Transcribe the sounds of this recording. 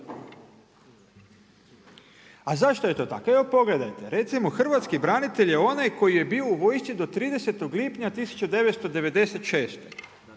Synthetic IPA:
azaʃt̪oje̞t̪o̞ːt̪a̰kepo̞ɡle̞d̪ajt̪e̞ɾe̞t̪simoxr̩ʋat̪skibɾanit̪e̞ʎje̞o̞najko̞jije̞biːouʋo̞jst͡ʃ̪id̪o̞t̪ɾiːd̪ese̞t̪o̞ɡliːpɲat̪isu̥t͡ɕud̪e̞ʋet̪st̪o̞d̪e̞ʋe̞d̪e̞set̪ʃe̞ːst̪e

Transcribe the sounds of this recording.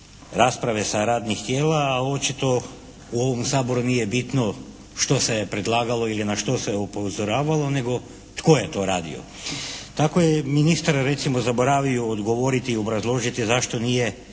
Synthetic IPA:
ɾaspɾaʋe̞saɾaːd̪nixt̪jeːlaːo̞t͡ʃit̪o̞ | uoʋomsaːbo̞ɾunijebit̪no̞ | ʃt̪o̞sepɾe̞d̪lˠaːɡalo̞ilinaʃt̪o̞se̞upozoɾaːʋalˠo̞ne̞ɡo̞ | t̪ko̞jet̪o̞ɾaːd̪ḭo̰ | t̪akojeminist̪aɾaɾe̞t̪simo̞zabo̞ɾaːʋiuod̪ɡo̞ʋoɾit̪iːo̞bɾazlˠo̞ːʒit̪izaʃt̪o̞nije

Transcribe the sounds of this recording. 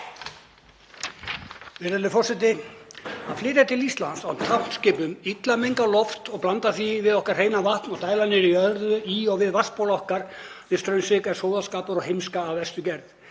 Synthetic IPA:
vɪɾɛlʏfɔr̥sɛt̪̬ɪ | aðflɪːɾat̪ʰɪlist̪la̰nsa̰wt̪ʰḁscɪːpʏmit̪lamejŋkalɔft̪ɔɣplant̪aθivɪðɔhkar̥heːjnavaht̪nɔɣt̪aːjlanːɪɾiœðɾðʏiɔɣvɪðvaspowlaɔhkaɾvɪðst̪ɾœɥnsɪkɛɾ̥soːwðaskaːpʏɾɔɣhejmskaːvɛst̪ʏcɛɾθ

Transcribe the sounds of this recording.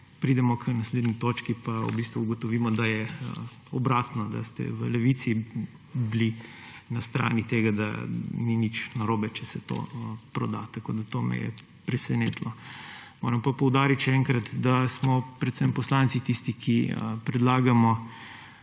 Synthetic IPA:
pɾiːd̪ɛmɔkʰnasled̪nit̪ot͡ʃkipaṵbist̪ʋuuɡɔt̪ɔʋiːmɔd̪ajɛə | ɔbɾaːt̪nɔd̪a̰st̪ɛ̰ʋəlɛʋit̪si | bli | nast̪ɾa̰ːnit̪eɡad̪a̰ninit͡ʃnaɾoːbɛt͡ʃɛsɛt̪o̰pɾɔ̰d̪a̰t̪ɐko̰ːd̪at̪omɛ̰jɛ̰ | pɾɛsɛneːt̪lɔmo̰ːɾɐmpapɔwd̪aːɾit̪ʃɛɛŋkɾat̪d̪asmɔpɾɛt̪sɛmpɔslant̪sit̪ist̪ikʰipɾɛd̪laːɡamɔ

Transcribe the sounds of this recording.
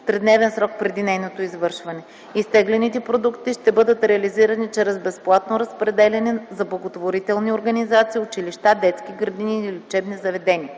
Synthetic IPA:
pɾɛd̪nɛvɛnsɾɔk̚pɾɛd̪inɛjnot̪oizvɤɾʃvɐnɛ | ist̪ɛɡlʲɛnit̪ɛpɾod̪ukt̪iʃt̪ɛbɤd̪ət̪ɾɛɐliziɾɐnit͡ʃɛɾɛzbɛsplˠat̪̚noɾɐspɾɛd̪ɛlʲɛnizɐblˠɐɡot̪voɾit̪ɛlˠnioɾɡɐnizat̪siːʊt͡ʃiliʃt̪ad̪ɛt̪skʲiɡɾɐd̪iniilʲʊt͡ʃɛbnizɐvɛd̪ɛniə

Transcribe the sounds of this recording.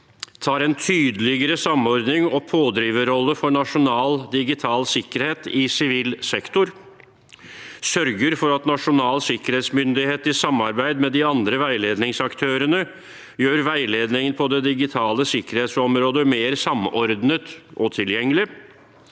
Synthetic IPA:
t̪ʰɑːɾɛnt̪ʰyːd̪əlɪɡəɾəsɑmɔɾd̪nɪŋɔpʰoːd̪ɾiːʋəɾɔlːəfɔɳɑʂʊnɑːld̪ɪɡɪt̪ʰɑːlsɪkːəɾheːt̪ɪsɪʋiːlsɛkt̪ʊɾ | sœɾɡəɾfɔɾɑt̪nɑʂʊnɑːlsɪkəɾheːt̪smʏnd̪ɪheːt̪ɪsɑmːɑɾbæɪd̪mɛd̪ɪɑnd̪ɾəʋæɪleːd̪nɪŋsɑkt̪ʰøːɾənə | jøːɾʋæɪleːd̪nɪŋənpʰɔd̪ɛd̪ɪɡɪt̪ʰɑːləsɪkəɾheːt̪sɔmɾoːd̪əmeːɾsɑmɔɾd̪nət̪ʔɔt̪ʰɪljɛŋːəlɪ

